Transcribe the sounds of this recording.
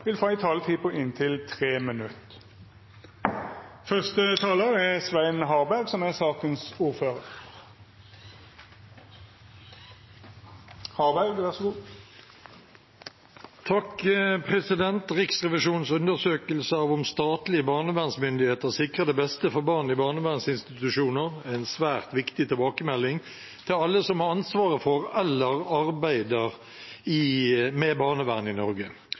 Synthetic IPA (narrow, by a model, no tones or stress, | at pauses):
ʋɪlfɑːɪt̪ʰɑːlət̪ʰiːpʰʊɪnt̪ʰɪlt̪ʰʁeːmənʉt̪ | fœʁst̪ət̪ʰɑːləʁɛʁsʋæɪnɦɑːʁbæʁɡsɔmæʁsɑːkənsuːʁføːʁəʁʁ | hɑːʁbæʁɡʋæʁsɔɡuː | t̪ʰɑkəpʰʁɛsɪd̪ɛnt̪ʁɪksʁɛʋɪʃuːnsʉnd̪əʁsøːkəlsəɑʋʊmst̪ɑːt̪lɪəbɑːʁnəʋæːʁnsmʏnd̪ɪheːt̪əʁsɪkʁəd̪ɛbɛst̪əfɔʁbɑʁnɪbɑːnəʋæːʁnsɪnst̪ɪt̪ʉʂuːnəʁæɪnsʋæːʁt̪ʋɪkt̪ɪt̪ʰɪlbɑːkəmɛlːɪŋ | t̪ʰɪlɑlːəsɔmhɑʁɑnsʋɑːʁəfɔʁɛlːəʁɑʁbæɪd̪əʁ | ɪmebɑːnəʋæːʁnɪnɔʁɡə